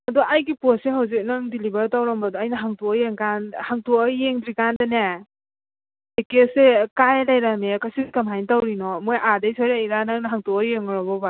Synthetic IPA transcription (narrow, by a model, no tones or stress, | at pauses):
ɐdɔʔajɡiposeɦawzik̚naŋdilibaɾtawɾɐmbɐdɔajnɐɦaŋtɔkːjeŋkanhaŋtokjeŋdɾikandɐne | ekesekajlajɾamekasinkamɦajntawɾinɔmojʔadajsʰaɾiajɾanaŋnɐɦaŋtɔkɔɾjeŋɾɔbɔba